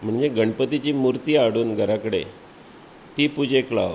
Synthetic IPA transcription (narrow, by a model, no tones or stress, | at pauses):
m̤əɳd͡zeɡəɳpət̪it͡ɕiːmuɾt̪iːaɽuːnɡʱəɾakəɽḛ | t̪iːpud͡ʑekla̰ʋ